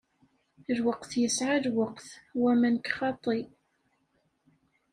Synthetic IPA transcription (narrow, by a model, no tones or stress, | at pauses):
ɾwəqθjəsʕaðwəqθwæmænkχɑt̪ˤːi